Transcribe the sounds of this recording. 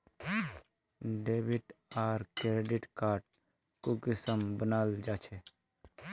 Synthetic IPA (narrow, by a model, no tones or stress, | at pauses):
ɖeːbɪʈaːɾkɾeɖɪʈkaːɾʈ̚ | koɡɪsəmbənaːld͡ʒaːt͡ʃʰeː